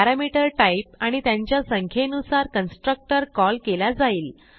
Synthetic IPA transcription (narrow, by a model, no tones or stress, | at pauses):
aɾamiʈəɾʈaip̚aɽ̃it̪jãɲt͡ɕjasəŋkʰenusaɾkənsʈɾək̚ʈəɾkɔlkelad͡zaiːl